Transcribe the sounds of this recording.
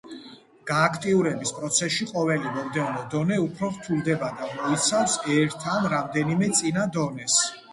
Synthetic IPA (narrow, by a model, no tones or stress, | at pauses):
ɡ̥aːkʰt̪ʼiuɾɛbispʼɾɔt̪sʰɛsʃiqʼɔvɛlimɔmd̪ɛvnɔd̪ɔnɛupʰɾɔɾt̪ʰulˠd̪ɛbad̪amɔit̪sʰawsɛɾt̪ʰːanɾamd̪ɛnimɛt̪sʼinad̪ɔnɛs